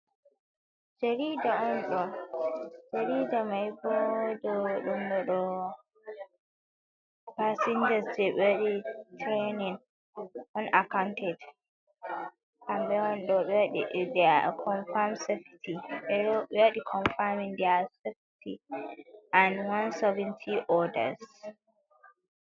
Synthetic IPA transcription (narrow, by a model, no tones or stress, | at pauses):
d͡ʒaɾiːdaɔnɗɔ | d͡ʒaɾiːdamajbɔdɔɗumɗɔɗɔ | pasind͡ʒasd͡ʒɛɓɛɗitʰɾenin | ʔɔnakawntʰɛd | kambɛɔnɗɔɓɛɗidɛkʰɔnfamsɛfitʰiɓɛɓeɗikʰɔnfamĩnd̪ɛasɛf | tʰi | ʔanwansɔvɛ̃ntʰiʔɔda̰s